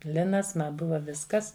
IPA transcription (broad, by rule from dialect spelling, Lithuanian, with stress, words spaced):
ˈlʲɪnɐs ˈmɐ ˈbʊʋɐ ˈʋʲɪskɐs